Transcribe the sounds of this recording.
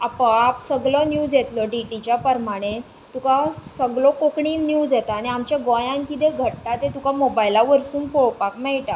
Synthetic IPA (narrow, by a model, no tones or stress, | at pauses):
apaapsəɡɭənjuːd͡zjet̪lɔɖiʈit͡ɕjapəɾmaɽ̃e | t̪ukasəɡɭokokɳiːnjuːd͡zjet̪aːñiamt͡ɕjaɡɔjãnkit̪eɡʱəʈʈat̪et̪ukamobajlaʋəɾsuːnpoɭpakmɛɭʈa